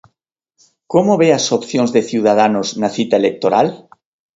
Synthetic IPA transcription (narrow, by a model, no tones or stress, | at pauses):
komoβeasopθjõŋzðeθiwðaðanoznaθit̪aelek̚t̪oɾal